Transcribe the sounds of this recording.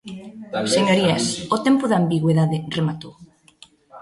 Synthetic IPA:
seɲoɾiasot̪ɛmpʊðambiɣweðaðɪremat̪ow

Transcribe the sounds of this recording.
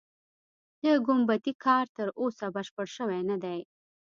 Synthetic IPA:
d̪əɡʊmbat̪ikʰɑɾt̪əɾʔosabəʃpəɽʃəwajnad̪aj

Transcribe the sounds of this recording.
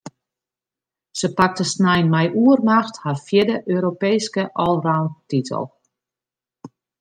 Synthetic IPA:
səpak̚təsnɛjnmɛjʔuərmaxtharfjɪdəʔøːɾopeːskəʔɔlˠrawntitʰə̰lˠ

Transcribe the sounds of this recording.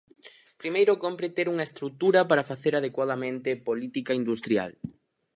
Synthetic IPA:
pɾimejɾʊkompɾet̪eɾuŋɐest̪ɾuk̚t̪uɾɐpaɾɐfaθeɾað̞ekwað̞ɐmẽnt̪ɪpolit̪ikaind̪ust̪ɾja̰l

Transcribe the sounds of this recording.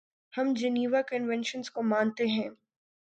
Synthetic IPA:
hɐmd͡ʒɐniːʋakənʋɛ̃nʃə̃nzkomaːnt̪eɦɛ̃ː

